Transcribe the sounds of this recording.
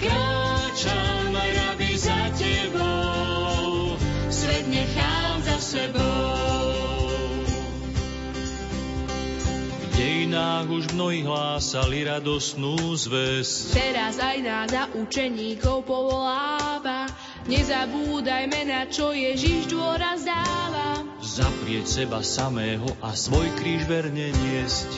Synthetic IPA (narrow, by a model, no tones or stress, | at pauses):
kɾɔt͡ʃamɛɾabizacɛbɔ | sʋɛt̪ɲɛxaːlzasɛbɔ | vɟɛjinaːɣuʒvmnɔɦiɣɦlaːsaliɾad̪ɔst̪nuːzʋɛsct̪ɛɾazajnaːzaʔut͡ʃɛɲiːkɔwpɔʋɔlaːʋa | ɲɛzabuːd̪ajmɛnat͡ʃɔjɛʒiʒd̪ʊɔɾazd̪aːʋa | zapɾɪɛcsɛbasamɛːɦɔʔasʋɔjkɾiːʒʋɛɾɲɛɲɪɛsc